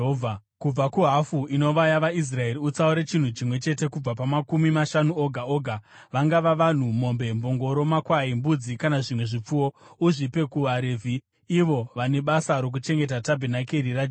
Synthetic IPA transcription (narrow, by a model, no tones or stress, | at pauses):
kub͡vakuɦafuino̞ʋajaʋais̬rae̞ɾiut͡sauɾet͡ʃin̤ut͡ʃimwe̞t͡ʃe̞te̞kub͡vapamakumimaʃanuoɡʱao̞ɡʱa | ʋaŋɡaʋaʋan̤umo̞mbe̞mbo̞ŋɡo̞ɾo̞makwaimbud͡zikanaʐimwe̞ʐip͡fuwouʐipe̞kuɦaɾeːvʱi | iʋo̞ʋane̞ɓasaɾo̞k̬ut͡ʃe̞ŋɡe̞t̬atabʱenakeɾira